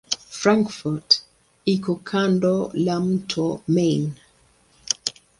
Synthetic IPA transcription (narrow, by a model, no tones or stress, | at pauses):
fɾaŋkfɔt | ikɔkʰandɔlam̩tʰɔmen